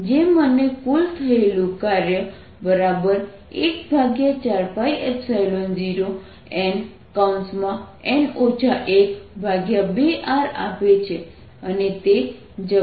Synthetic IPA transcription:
d͡ʒemənekult̪ʰəelũkaɾjə | bəɾabəɾ | ekbʱaɡjat͡ʃaɾpaiɛpsajlond͡ʒiɾo | ɛn | kansmã | ɛnot͡ʃʰaʔekbʱaɡjabeʔaɾa̰pet͡ʃʰe | ənet̪e | d͡ʒə

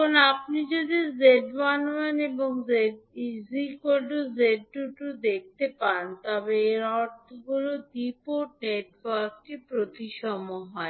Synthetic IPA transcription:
onapnid͡ʑod̪izeɖwanmaneboŋzeɖizikoɖozeɖːuʈud̪ek̚ʰt̪epant̪ɔbeeɾɔɾt̪ʰoɡuɾod̪ipoʈneʈwaɾkʈipɾot̪iʃɔmoɦɔe

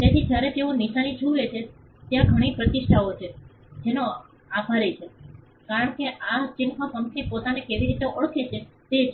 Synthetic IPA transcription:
t̪et̪ʰid͡ʒjaɾet̪euniʃanit͡ʃʰuʋet͡ʃʰe | t̪jãɡʱəɽ̃ipɾət̪ɪʃʈʰaot͡ʃʰe | d͡ʒeno | abʰʱaɾet͡ʃʰe | kaɾəɳkeʔat͡ʃɪnmãpəmkʰipot̪anekeʋiɾit̪eʔəɭkʰet͡ʃʰet̪et͡ʃʰ

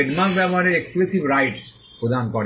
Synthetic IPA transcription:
eɖmakbɛboɦaɾeɾeksklusibɾajʈ | pɾod̪ʱankoɾ

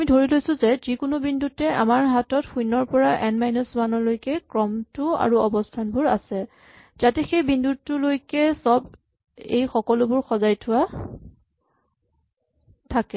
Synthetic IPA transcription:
amidʱoɹilojsʊzɛzikʊnʊbindutɛʔa̰maɹɦatɔtxujnɔɹpɔɹaʔɛnmajnɔswanɔlojkɛkɹɔmtʊa̰ɹuɔbɔstʰanbʊɹa̰sɛ | z̥atɛxejbindutːʊlojkɛsɔb | ḛjxɔkɔlʊbʊɹxɔzajtʰʊwa | tʰakɛ

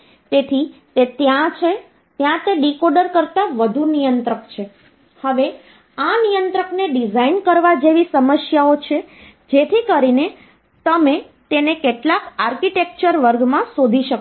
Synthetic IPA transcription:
t̪et̪ʰit̪et̪jãt͡ʃʰe | t̪jãt̪eɖikoɖəɾkəɾt̪aʋəd̪ʱunijənt̪ɾəkt͡ʃʰe | həʋe | anijənt̪ɾəkneɖizainkəɾʋad͡ʒeʋisəməsjaot͡ʃʰe | d͡ʒet̪ʰikəɾine | t̪əme | t̪enekeʈlakaɾkiʈek̚t͡ʃəɾʋəɾɡmãsod̪ʱiʃək

